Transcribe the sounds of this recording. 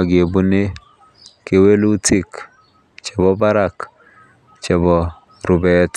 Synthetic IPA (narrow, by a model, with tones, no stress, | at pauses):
a˨ɡe˨bu˦ne˦ | ke˨we˦lu˦tʰi˦˨k | t͡ʃe˨bɔ˦ba˦ɾa˨k | t͡ʃe˨bɔ˨ | ɾu˨bɛt